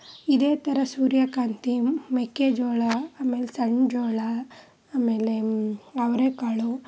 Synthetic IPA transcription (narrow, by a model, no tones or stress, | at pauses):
id̪eːt̪ɐɾɐsuːɾjɐkaːnt̪imekːed͡ʒoːɭaaːmeːlesɐɳd͡ʒoːɭa | aːmeːleɐʋɐɾeːkaːɭu